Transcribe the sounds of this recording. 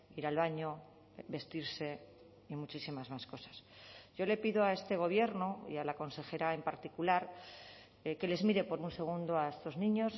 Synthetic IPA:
iɾalβaɲo̞ | be̞st̪iɾse̞ | imut͡ʃisimazmasko̞sḁsʝo̞le̞piðoae̞st̪e̞ɣ̞o̞β̞je̞ɾnoḭalako̞nse̞xe̞ɾae̞mpaɾt̪ikulaɾ | ke̞le̞zmiɾe̞po̞ɾunse̞ɣ̞und̪oae̞st̪o̞znĩɲo̞s

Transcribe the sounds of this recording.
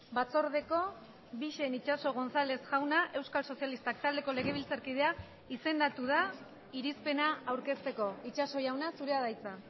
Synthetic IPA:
bat͡so̞ɾðe̞ko̞ | βiʃe̞nit͡ʃaso̞ɣ̞o̞nsale̞sʝawnaʔe̞wskalso̞sialist̪ak̚t̪ald̪e̞ko̞le̞ɣ̞e̞β̞ilt͡saɾkið̞e̞a | ise̞nd̪at̪uð̞a | iɾispe̞naawɾke̞st̪e̞ko̞it͡ʃaso̞jawnasuɾe̞aðajt͡sa

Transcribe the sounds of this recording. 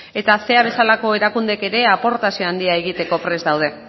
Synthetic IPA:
e̞t̪ase̞aβ̞e̞salako̞e̞ɾakund̪e̞ke̞ɾe̞apo̞ɾt̪asio̞and̪iae̞ɣ̞it̪e̞ko̞pɾe̞zd̪awð̞e̞

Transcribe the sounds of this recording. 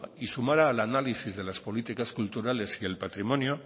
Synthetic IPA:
isumaɾaːlanalisizðelaspolit̪ikaskult̪uɾalesielpat̪ɾimɔnjo

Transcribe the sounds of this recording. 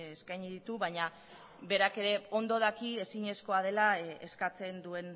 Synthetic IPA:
eskajɲiðit̪uβaɲa | be̞ɾake̞ɾe̞o̞nd̪o̞ð̞akie̞siɲe̞sko̞að̞e̞laeskat͡se̞nd̪ue̞n

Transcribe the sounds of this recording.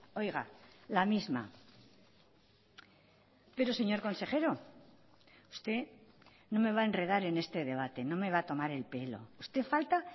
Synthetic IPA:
o̞jɣalamizma̰ | pe̞ɾose̞ɲo̞ɾko̞nse̞χe̞ɾo̞ | ust̪e̞ | no̞me̞β̞ae̞nre̞ð̞aɾe̞nest̪e̞ðe̞β̞at̪e̞no̞me̞β̞at̪o̞maɾe̞lpe̞lo̞̰ust̪e̞falt̪a

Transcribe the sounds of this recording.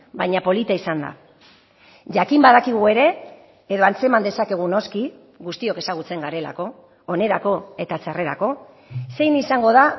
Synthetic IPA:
bajɲapo̞lit̪aisand̪a̰ | ʝakimbaðakiɣ̞ue̞ɾe̞ː | ðo̞ant͡se̞mand̪e̞sake̞ɣ̞uno̞ski | ɣust̪io̞ke̞saɣ̞ut͡se̞ŋɡaɾe̞la̰ko̞ː | ne̞ɾako̞e̞t̪at͡sare̞ɾa̰ko̞ | se̞jnisaŋɡo̞ð̞a

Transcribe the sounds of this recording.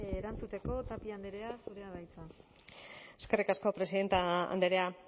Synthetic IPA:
eɾant͡sut̪e̞ko̞t̪apiand̪eɾeasuɾe̞aðajt͡sa | e̞ske̞rikasko̞pɾe̞siðe̞nt̪aa̰nd̪eɾea

